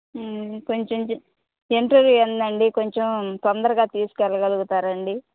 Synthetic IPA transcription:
ko̞ɲt͡ʃem | eɳʈɐɾjuɐnd̪ɐɳɖikoɲt͡ʃemt̪ond̪ɐɾɐɡaːt̪iːsu̥kɛlɐɡɐluɡut̪aːɾɐɳɖi

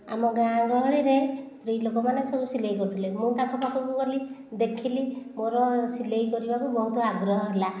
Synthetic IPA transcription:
a̰mɔɡaŋɡɔɭɔɭeɾest̪ɾilokɔmanesɔbusilejkɔɾut̪ʰilemũt̪akɔkakɔkukɔlid̪ekʰilimoɾɔsilejkɔɾibakubɔɦut̪ɔaɡɾɔɦɔɦela

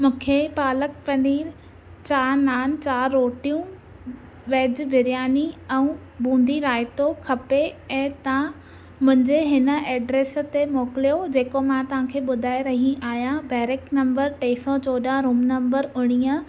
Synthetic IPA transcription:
mũːkʰepaːlək̚pɐniːɾ | t͡ɕaːnaːnt͡ɕaːɾɾoːʈijũː | ʋeːd͡ʑʋɪɾjaːniɛ̃ũ | bũːn̆d̪ʱiɾaːɪt̪okʰɐpeɛ̃ːt̪ɐã | mʊ̃ɦɪ̃ɲd͡ʑeɦɪnə̆ɛːɖɾeːst̪emoːkɪlijod͡ʑeːkomãt̪ɐʋ̤ãkʰeːɓʊd̪ʱaːeɾɐɦĩʔaːɦjãbɛːɾeknɐ̃mbəɾʈeːsɔt͡ɕoːɗaɾuːmnɐ̃mbəɾʊɽ̃ijə̃

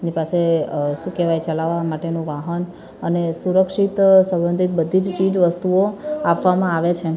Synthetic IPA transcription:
nipaseʃũkeʋajt͡ʃəlaʋamaʈenũʋaɦən | ənesuɾəkʃit̪sə̃mbənd̪ʱit̪̚bəd̪ʱid͡ʒt͡ʃid͡ʒʋəst̪uoapʋamãaʋet͡ʃʰe

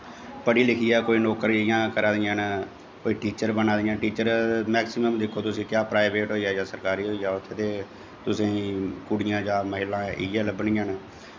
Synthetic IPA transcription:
pəɽiːlɪkʰiːɛːkoːiːnoːkəɾjãːkəɾãːd̪ɪjãːn | koːiːʈiːt͡ʃəɾbənaːd̪ɪjãːʈiːt͡ʃəɾmɛːksɪməmd̪ɪkʰːoːt̪ʊsĩːt̪ɪjaːpɾaːɪbeːʈɦoːiːaːd͡ʒãːsəɾkaːɾiːɦoːiːaːʊt̪ʰːeːt̪eː | t̪ʊsĩːkʊɽɪjãːd͡ʒãːməɦɪlãːɪ̰aːləbɳɪjãːn

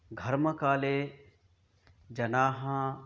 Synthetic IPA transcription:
ɡʱɐɾməkaːleː | d͡ʒɐnaːɦã

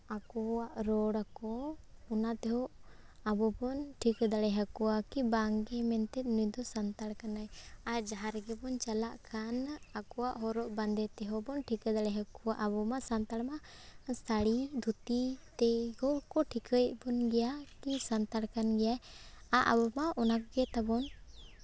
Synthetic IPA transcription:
akɔaʔɾɔɽakɔɔnat̪ɛɦɔʔ | abɔbɔnʈʰikd̪aɽɛɦakɔwakibaŋɡɛmɛnt̪ɛt̪̚nujd̪ɔsant̪aɽkanajad͡ʒaɦaɾɡɛbɔnt͡ʃalaʔkʰanakɔwaʔɦɔɾɔʔband̪ɛt̪ɛɦɔbɔnʈʰikəd̪alɛɦakuwaʔabɔmasant̪aɽmast̪ʰaɽid̪ʱut̪it̪ɛɡɔkɔʈʰikəjbɔnɡɛjakisant̪aɽkanɡɛjaaʔa̰bɔmaɔnakɔɡɛt̪abɔn

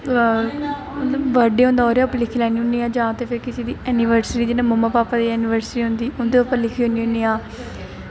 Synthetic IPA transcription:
ʋəɖeːɦʊ̃nd̪aɔːɾeplɪkʰiːlɛːniːɦʊniːãːd͡ʒãːt̪eːpʰɪɾkɪsiːd̪iːɛːnɪʋəɾsɾiːd͡ʒɪnãːməmaːpaːpaːd̪iːɛːnɪʋəɾsɾiːɦʊ̃nd̪iːʊnd̪eːʊpəlɪkʰiːɦõniːõniːãː

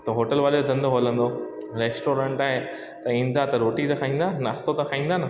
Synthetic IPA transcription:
t̪ɐɦoːʈəlʋaːleɐd̪ʱɐ̃nd̪oɦoːlə̃nd̪o | ɾeːsʈoːɾə̃ːɳʈaːɦe | t̪ɐĩːn̆d̪at̪ɐɾoːʈit̪ɐkʰaːɦĩːnd̪anaːst̪ot̪ɐkʰaːĩːnd̪aːnɐ

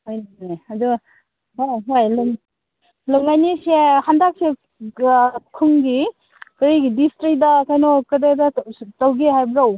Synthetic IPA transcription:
hojnaniɐdu | ɦojluŋ | luŋajnisehandak̚se | kʰɯŋɡi | kɐɾiɡidistɾik̚dɐkajnɔkɐdedɐtawɡeɦajbɾaw

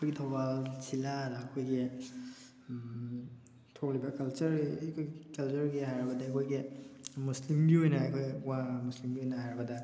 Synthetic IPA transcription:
kʰojɡitʰowbalsilaɾɐːkʰojɡi | tʰok̚libɐkɐlt͡ʃɐɾkʰojɡkɐlt͡ʃuɾɡiɦajɾbɐdɐakʰojɡimuslimɡiojnɐakʰojwamuslimɡiojnɐɦajɾbɐdɐ

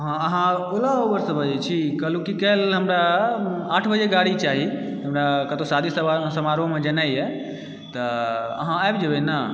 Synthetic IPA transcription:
ɦãəɦãolaoɡəɾsəbəd͡ʒɛt͡ʃʰikəlukikəlɦəmɾaaʈʰbəd͡ʒeɡaɽit͡ʃaɦi | ɦəmɾakət̪osad̪ʱisəsəmaɾõmed͡ʒənajɛ | t̪əəɦãajbd͡ʒəbɛna

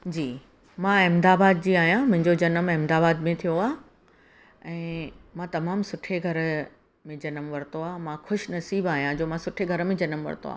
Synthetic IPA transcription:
d͡ʑiː | mãːɪmd̪aːbaːd̪̚d͡ʑiːaːɦijãmʊ̃ɦɪ̃ɲd͡ʑod͡ʑɐnəmɛːmd̪aːbaːd̪mẽt̪ʰijoaː | ɛ̃ːmãːt̪ɐmaːmsʊʈʰeɡʱɐɾ | mẽd͡ʑɐnəmʋɐɾɪt̪oaːmãxʊʃnɐsiːbaːɦijãd͡ʑoːmãsʊʈʰeɡʱɐɾmẽd͡ʑɐnəmʋɐ̰ɾt̪o̰a̰ː

